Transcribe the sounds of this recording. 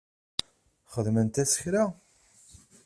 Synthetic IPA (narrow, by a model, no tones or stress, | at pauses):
χəðmənt̪æsə̥çɾa